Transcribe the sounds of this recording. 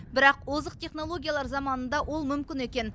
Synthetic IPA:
bɪɾɑqozəq̚t̪ʰʲe̞χno̞lˠoɡʲijalˠɑɾzɑmɑnənd̪ɑwʔo̞lˠmʏmkʲɪne̞kʲe̞n

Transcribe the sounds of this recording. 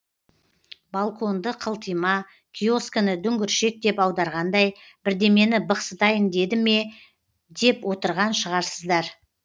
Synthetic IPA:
balˠkʰo̞nd̪əqʰəlˠt̪əjmɑ | kʲʰijo̞skənəd̪ʏŋɡʲɪɾʃe̞k̚d̪e̞pɑwd̪ɑɾʁɑnd̪ɑjbɪɾd̪e̞me̞nɪbəqsəd̪ɑjɪnd̪e̞d̪ɪme̞ | d̪e̞pwo̞t̪əɾʁɑnʃəʁɑɾsəzd̪ɑɾ

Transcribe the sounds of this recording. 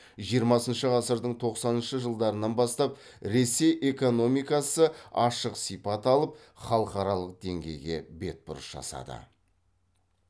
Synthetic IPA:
ʒijəɾmɑsənʃəʁɑsəɾd̪əɴt̪ʰo̞qsɑnənʃəʒəlˠd̪ɑɾənːɑnbɑst̪ɑp̚ | ɾe̞se̞jʔe̞ko̞no̞mijkɑsəɑʃəqsijpɑt̪ɑlˠəp̚ | χɑlˠəqɑɾɑlˠəq̚d̪e̞ŋɡʲe̞jɡʲe̞be̞t̪̚bʊɾəsʒ̥ɑ̰sɑ̰d̪ə̰

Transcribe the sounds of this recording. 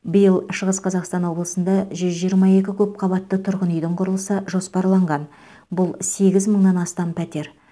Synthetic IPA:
bəjəlˠʃəʁəsqʰɑzɑqst̪ɑnwo̞blˠəsənd̪ɑʒʏzʒijəɾmɑje̞kʲɪkʲʰɵp̚qʰɑβɑt̪ːət̪ʰʊɾʁənʏjd̪əɴqʰʊɾəlˠəsəʒo̞spɑɾlˠɑɴʁɑn | bʊlˠse̞ɡʲɪzməɴnɑnɑst̪ɑmpʰæt̪e̞ɾ

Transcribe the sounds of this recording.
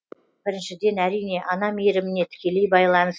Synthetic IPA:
b̥ɪɾɪnʃɪd̪e̞næɾijne̞ʔɑnɑmeɾɪmɪne̞t̪ʰɪ̥kʲe̞le̞jbɑjlˠɑməz

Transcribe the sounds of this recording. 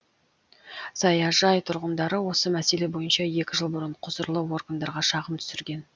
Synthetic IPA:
sɑjɑʒɑjt̪ʰʊɾʁənd̪ɑɾəwo̞səmæse̞le̞bo̞jənʃɑje̞kʲɪʒəlˠbʊɾəɴqʰʊzəɾlˠəwo̞rɡand̪ɑɾʁɑʃɑʁəmt̪ʰʏ̥sɪɾɡʲe̞n

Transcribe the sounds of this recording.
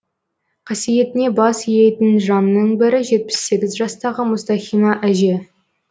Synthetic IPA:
qʰɑsije̞t̪ɪne̞bɑsijejt̪ɪnʒɑnnəɴbɪɾɪʒe̞t̪̚pɪ̥sːe̞ɡʲɪzʒɑst̪ɑʁəmʊst̪ɑχimɑʔæʒe

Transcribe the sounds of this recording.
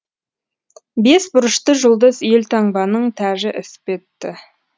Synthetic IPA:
be̞sbʊɾəʃt̪əʒʊlˠd̪əzje̞lt̪ʰɑɴbɑnəɴt̪ʰæʒɪʔɪsɪ̥pe̞t̪ːɪ

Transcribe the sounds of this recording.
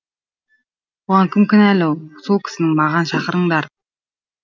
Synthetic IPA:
oʁɑŋkʲʰɪmkʲʰɪnælɪwsolˠkʲʰɪ̥sɪnɪŋmɑʁɑnʃɑqəɾəɴd̪ɑɾ

